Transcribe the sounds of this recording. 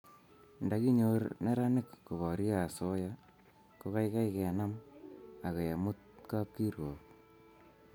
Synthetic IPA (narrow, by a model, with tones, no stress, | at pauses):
nda˨˦ki˦ɲo˦ɾnɛ˦ɾa˦nɪ˦˨kːo˨βɔ˨ɾi˦a˨so˦ja˦ | ko˦ka˦jka˦jkɛ˨na˦ma˨ke˨ja˨mu˦t̪̚ka˦p̚ki˦ɾwɔ˨k